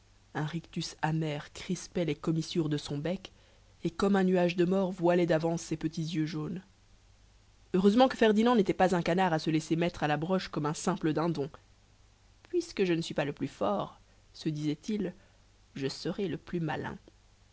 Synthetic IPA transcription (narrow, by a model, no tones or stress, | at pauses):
ɛ̃ʁikt̪ysamɛʁkχispɛlekɔmisyʁd̪əsɔ̃bɛk | ekɔmɛ̃nyaʒd̪əmɔʁvwalɛd̪avɑ̃sːepət̪izjøʒon | øʁøzmɑ̃kəfɛʁd̪inɑ̃net̪ɛpazɛ̃kanaʁasəlɛsemɛt̪χalabʁɔʃkɔmɛ̃sɛ̃pləd̪ɛ̃d̪ɔ̃ | pɥiskəʒənəsɥipaləplyfɔʁ | səd̪izɛt̪il | ʒəsəʁɛləplymalɛ̰̃